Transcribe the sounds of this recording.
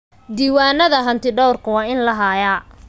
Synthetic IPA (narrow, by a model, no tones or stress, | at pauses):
d̪iːwaːnɐðɐɦɐnt̪ʰɪɖɔwrkʰɐwɑːɪnlɐɦaːjaː